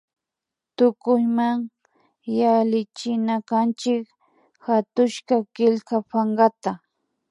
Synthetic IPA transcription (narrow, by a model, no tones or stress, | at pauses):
t̪ʊkʊjmaŋ | jalɪt͡ʃɪnakant͡ʃɪk | hat̪ʊʃkakɪlkapaŋɢat̪a